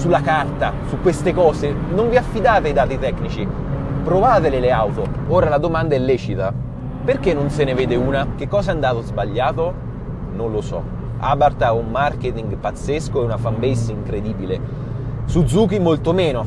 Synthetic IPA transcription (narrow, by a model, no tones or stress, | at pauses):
sulːakart̪asukːwest̪ekɔːzenoɱviafːid̪aːt̪eaid̪aːt̪it̪ɛkːnit͡ʃi | pɾovaːt̪elɪleawt̪ooːɾalad̪omand̪aɛlːɛːt͡ʃit̪a | perk̟enːonseneveːd̪euːnak̟ekːɔːsaand̪aːt̪ozbaʎːaːt̪o | nonlosɔ̰ | a̰ːbart̪aumːark̟et̪iŋɡpat̪sːeskoɛunafambesiŋkɾed̪iːbile | sud̪zuːk̟imolt̪omeːno